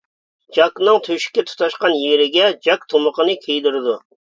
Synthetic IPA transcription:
d͡ʒɑknɨŋt̪ʰøʃɪ̥kʲɛt̪ʰu̥t̪ɑʃqɑnjeɾɪɡʲɛd͡ʒɑkt̪ʰoməqənɨkʲʰejd̪uɾɪd̪u

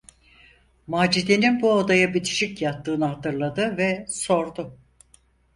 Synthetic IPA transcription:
maːd͡ʒid̪eninbuod̪ajabit̪ʰi̥ʃicjat̪ːɯːnɯɦat̪ɯɾlˠad̪ɯvɛso̞ɾd̪ʊ

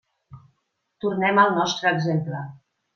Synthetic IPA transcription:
t̪uɾnɛmalˠnɔst̪ɾəɛɡzemplə

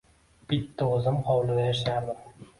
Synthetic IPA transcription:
b̥ɪt̪ʰːaɵzɪmhɒwlɪd̪ajaʃaɾd̪ɪm

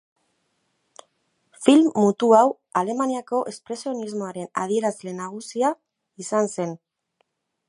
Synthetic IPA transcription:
filmːut̪uaw | ale̞maniako̞ʔe̞spɾe̞sio̞nizmo̞aɾe̞nað̞ie̞ɾazle̞naɣ̞usia | isanse̞n

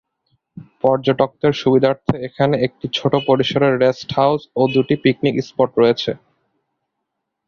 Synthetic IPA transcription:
pɔɾd͡ʑoʈok̚t̪eɾʃubid̪ʱaɾt̪ʰeekʰaneek̚ʈit͡ɕʰoʈopoɾiʃoɾeɾːesʈhawsod̪uʈipik̚nikispoʈɾojet͡ɕʰe

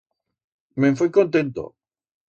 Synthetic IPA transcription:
mẽfejkõnt̪ẽnt̪o̰

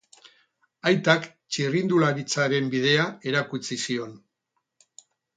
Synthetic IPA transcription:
ajt̪ak | t͡ʃirind̪ulaɾit͡saɾe̞mbið̞e̞ae̞ɾakut͡sisio̞n

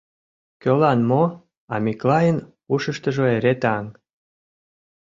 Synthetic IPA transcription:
kølɑnmo | ɑmʲiklɑjən | uʃəʃt̪əʒoeɾet̪ɑŋ

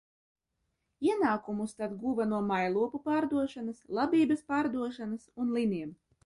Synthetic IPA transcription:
iɛnaːkumust̪ad̪ɡuvanuɔmajlˠuɔpupaːɾd̪uɔʃanaslˠabʲiːbɐspaːɾd̪uɔʃanasunlˠinʲiɛm

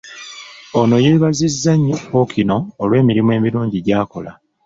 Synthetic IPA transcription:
o̞no̞je̞βazizːaɲːopo̞kʰino̞ːlwe̞ːmiɾimwe̞ːmiɾuːɲɟiɟaːko̞la

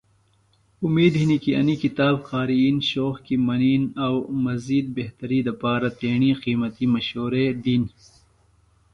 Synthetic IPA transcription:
umiːd̪ɦinikiɐ̰nikit̪aːbxaːɾiinɕoːxkimɐniːnɐwmɐziːd̪̚beht̪ɐɾid̪ɐpaːɾat̪eːɳiqiːmɐt̪imɐɕoːɾed̪in

